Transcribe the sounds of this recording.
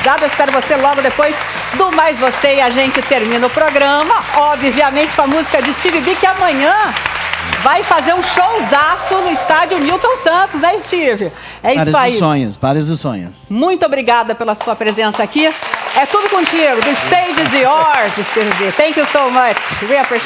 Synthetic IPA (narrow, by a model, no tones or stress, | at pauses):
sabɪewɪispɛɾʊvoselɔɡʊd̪epojz | d̪ʊmajzvoseiaʒẽnt͡ʃɪt̪eɾmĩnɐʊpɾoɡɾɐ̃mɐɔbviɐmẽnt͡ʃɪ̥kɐmuzikɐd͡ʒɪst͡ʃivɪbikɪamɐ̃ɲɐ̃ | vajfazeɾũʃowzasʊnʊist̪ad͡ʒjʊniwt̪õw̃sɐ̃nt̪ʊznɛɪst͡ʃivɪ | ɛisaissõɲʊ̰svaɾjɐzʊsõ̰ɲʊ̰smũj̃t̪ʊobɾiɡad̪ɐpelɐsuɐpɾezẽsɐakiɛt̪ud̪ʊkõt͡ʃiɡʊd̪ʊst̪ẽd͡ʒɪzɪɔɾzɪst͡ʃivɪbit̪ɛ̃kjusowmɐt͡ʃwiape